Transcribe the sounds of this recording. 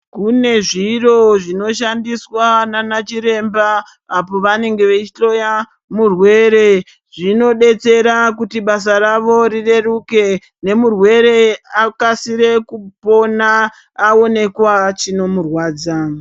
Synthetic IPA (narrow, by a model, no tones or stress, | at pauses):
kune̞ʐiro̞ʐino̞ʃandiswananat͡ʃiɾe̞mbaː | po̞ʋane̞ŋɡe̞ʋet͡ʃit͡ɬo̞ja | murwe̞ːɾe̞ | ʐino̞ɗe̞t͡se̞ɾakutiɓasaɾaʋo̞ɾire̞ruke̞ | ne̞murwe̞ɾe̞akasiɾe̞kupo̞naː | o̞ne̞kwat͡ʃino̞murwaːd͡za